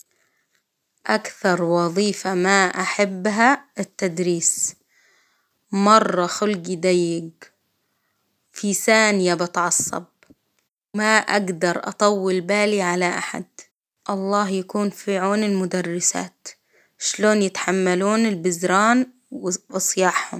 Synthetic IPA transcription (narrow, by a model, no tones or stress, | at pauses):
ʔakθɑɾˤwɑðˤiːfamaʔaħabːɦaɪt̪ːad̪ɾiːs | mɑrˤːɑxʊlɡid̪ajːɪɡ | fisaːnjabɪt̪ʕɑsˤːɑ̰b̚ | maʔa̰ɡd̪ɑɾˤʔɑ̰t̪ˤɑwːɪlbaːliʕalaʔa̰ħa̰d̪̚ | ʔɑlˤːɑːɦjakuːnfɪʕuːnɪlmʊd̪arˤːɪsa̰ːt̪ | ʃloːnjɪt̪ḁħamːaluːnɪlbɪzɾɑːn | wwɨsˤjɑːħhʊ̰m